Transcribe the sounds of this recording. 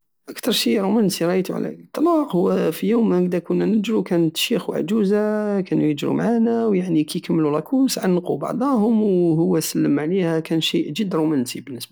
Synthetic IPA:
ʔəkt̪ɑɾˤʃiɾˤumænsiɾˤɑʔjt̪uʕ̰læ̰t̪ˤːɑlɑqhʊwːæfijuwməd̪ækʊnːænəd͡ʒɾukænət̪ʃixwaʕd͡ʒuzakænujəd͡ʒɾṵmʕanæwjaʕnikæjkəmːəlulɑkʰusʕanːqubɑ̰ʕd̪ˤɑhʊmwhʊwːæsəlːəmʕlihækænʃiʔʒəd̪ɾˤumænt̪ibənːəsbæ

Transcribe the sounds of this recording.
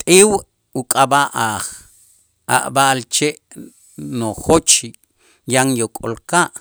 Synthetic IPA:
t̪ʼiw | ukʼabaʔaːχ | a̰ʔbaʔlt͡ʃeʔ | noxot͡ʃ | jaŋjokʼo̰lkaʔ

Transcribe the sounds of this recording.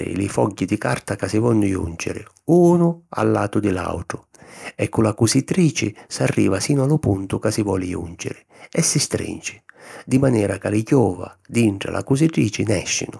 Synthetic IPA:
ɪ̰lɪfɔɟːid̪ikart̪akasɪvɔnːʊjṵnd͡ʒɪ̰ɾɪ | uːnʊa̰lːaːt̪ʊd̪ɪla̰wʈ̪ɾʊ | ɛkːʊlakusit̪ɾiːt͡ʃɪsarːḭːvasiːnʊalʊpunt̪ʊkasɪvɔːlɪjṵnd͡ʒɪ̰ɾɪ | ɛsːist̪ɾḭnt͡ʃɪ̥d̪imanɛːɾakalɪkjɔːva̰d̪iɳʈɾa̰lʔa̰kusit̪ɾiːt͡ʃɪnɛ̰ʃːɪ̰nʊ

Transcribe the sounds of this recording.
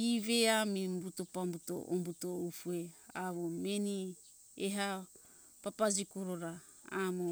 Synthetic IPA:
iveamimbuto̞pambuto̰ʔombuto̞ufue̞aβomeni | eɦa | papad͡ʒikoɾoɾa | amo

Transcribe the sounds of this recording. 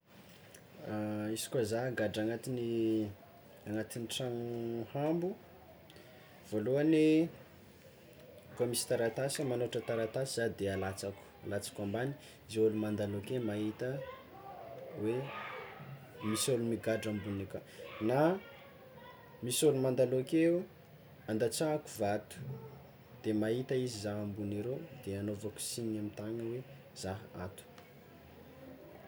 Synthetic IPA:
aisi̥kwazaɡaɖ͡ʐaŋat̪ini | aŋat̪iniʈ͡ʂaŋuhambu | v̥oluane | komisi̥t̪aɾat̪asəmanoʈ͡ʂət̪aɾat̪asizad̪ealat͡saku̥alat͡sḁkambani̥ | zeolumand̪alukemaɦit̪ə | we | misolumiɡaɖ͡ʐambunekana | misolumand̪alokeu | and̪at͡saaku̥vat̪u̥ | d̪̥emaɦit̪əizizaɦambuneɾed̪eanovaku̥siɲiamint̪aŋəwe | z̥aɦat̪u̥

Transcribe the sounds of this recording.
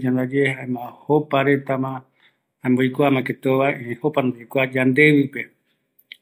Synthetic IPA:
d͡ʒãnd̪ad͡ʒehaemãhopaɾe̞t̪amã | ambojkʷamãket̪oʋaeʔẽhopand̪oijkʷad͡ʒãnd̪e̞ʋipe̞

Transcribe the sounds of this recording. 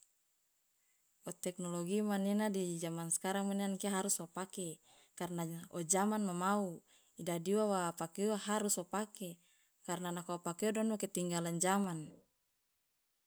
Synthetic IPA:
ɔt̪ɛk̚nɔloɡimaninadid͡ʒamanskaɾamuneankeɦaɾuswapakɛ | karnaɔd͡ʒamanmamau | idadiwawapakewaɦaɾuswapakɛ | karnanakaupakeodɔnwaket̪iŋɡaland͡ʒaman

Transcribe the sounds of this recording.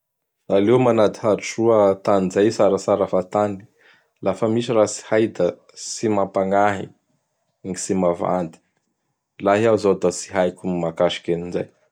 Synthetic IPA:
alewmanad̪iɦaɾiʈ͡ʂuət̪aninzajsaɾasaɾafat̪ani̥ | lafəmiʃirasi̥hajd̪ə | simapaŋaɦḭ | ŋisimava̰nd̪i̥ | laɦiawzod̪asi̥ɦajkʲumimakaʃi̥kʲeninzaj

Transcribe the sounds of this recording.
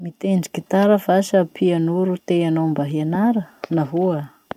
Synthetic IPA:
mit̪eɳɖ͡ʐi̥kit̪aɾəfasəpʰianuɾut̪eanombaɦianaɾənaɦuə

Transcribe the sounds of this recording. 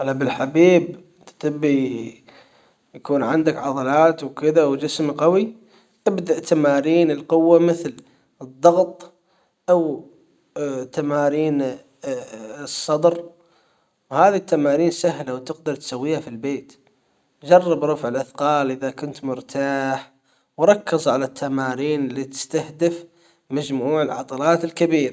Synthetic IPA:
ʔalːabɪlħabiːb | t̪t̪ɪbːi | jakuːnʕɪnd̪akʕɑðˤɑlɑːt̪wkɪðawd͡ʒɪsmqɑwi | ʔ̪ɪbd̪aʔt̪ʰamaːɾiːnɪlqʊwːamɪθl | ɨðˤːɑɣt̪ˤ | ʔaw | t̪amaːɾiːn | sˤːɑd̪ɾ | whaːðit̪ʰːamaːɾiːnsahlawt̪ɪqd̪ɑɾˤt̪sawːiːhafilbeːt̪ | d͡ʒɑrˤːɨbɾˤɑfʕɪlʔaθqɑːlʔɪðakʊnt̪mʊɾt̪ʰaːħ | wɾˤɑkːɪzʕalat̪ʰːamaːɾiːnɪlːit̪ɪ̥st̪ahd̪ɪf | mad͡ʒmuːʕɪlʕɑ̰t̪ˤɑlɑːt̪ɪlkabiːɾa

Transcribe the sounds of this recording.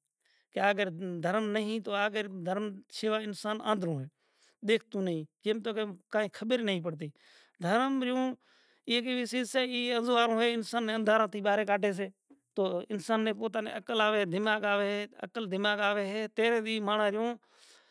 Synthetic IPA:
keəːɡəɾd̪ʱəɾmnəɦĩːt̪oːaːɡəɾd̪ʱəɾmt͡ʃeːʋaːɪnsaːnã̰ːd̪ʱɾõːɦeː | ɗ̪eːk̚ʰt̪ũːnəɦĩːkeːmt̪oːkekaːɦĩːkʰəɓəɾnəɦĩːp̬əɽt̪̬iː | d̪ʱəɾmɾɪjõː | iːkeːʋiːsiːseːiːəzʋaːɾõːɦeːɪnsaːnːẽːənd̪ʱaːɾãːt̪iːɓaːɾeːkaːʈeːs̬eː | t̪oːɪnsaːnːẽːpoːt̪aːnḛːəkəlaːʋeːd̪ʱɪmaːɡaːʋeːɦeːə̰kəld̪ʱɪmaːɡaːʋeːɦeːt̪eːɾeːiːmaːɳaːɾɪjõː

